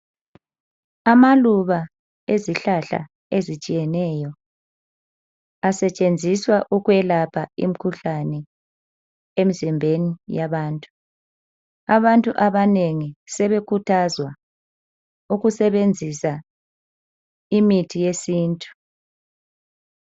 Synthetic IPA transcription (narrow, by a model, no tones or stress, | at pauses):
amaluβa | eziɬaɬa̰ | ezit͡ʃʼijɛnɛːjɔ | asɛt͡ʃʼend͡zʱiswaʔuɣwɛlapʰaḭm̩kʰuɬanɛ | emizimbʱenijaβaːntʼu̥ | aβantʼuʔaβaneŋisɛβekʰutʰazwa | uɣusɛβend͡zʱisa | imitʰijesiːntʼu̥